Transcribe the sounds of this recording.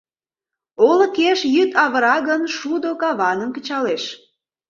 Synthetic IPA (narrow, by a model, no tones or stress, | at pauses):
olə̆keʃjyt̪ɑβə̆ɾɑɣənʃud̪okɑβɑnəmkə̆t͡ɕɑleʃ